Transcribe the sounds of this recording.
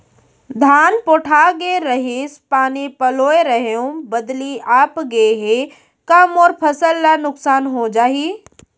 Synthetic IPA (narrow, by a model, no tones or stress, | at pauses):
d̪ʱaːnpoːʈʰaːɡeɾəɦɪspaːnipɐloːeɾəɦeõbɐd̪liaːpɡeɦe | kamoːɾpʰɐsəlːanʊksaːnɦod͡ʒaːɦi